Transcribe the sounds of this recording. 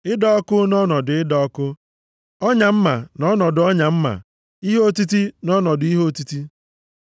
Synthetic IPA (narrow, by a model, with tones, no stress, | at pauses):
ɪ˦dɔ˦ɔ˦kʊ˦nɔ˦nɔ˨dʊ˨ɪ˦dɔ˦ɔ˦kʊ˦ | ɔ˦ɲa˨m̩˦ma˨nɔ˦nɔ˨dʊ˨ɔ˦ɲa˨m̩˦ma̰˨ | i˦ɦo˦ti˦ti˦nɔ˦nɔ˨dʊ˨i˦ɦo˦ti˦ti˦